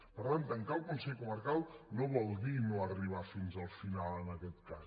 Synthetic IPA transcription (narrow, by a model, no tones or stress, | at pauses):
pəɾant̪əŋkaəlˠkunsɛʎkuməɾkalˠnoβɔlˠd̪inoəriβ̞afinzəlˠfinalˠənəkɛt̪̚kas